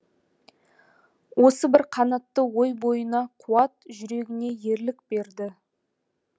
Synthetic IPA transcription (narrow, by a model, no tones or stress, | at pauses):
wo̞səbɪɾqʰɑnɑt̪ːəwo̞jbo̞jənɑqʰuɑt̪ʒʏɾe̞ɡʲɪne̞je̞ɾlɪkbe̞ɾd̪ɪ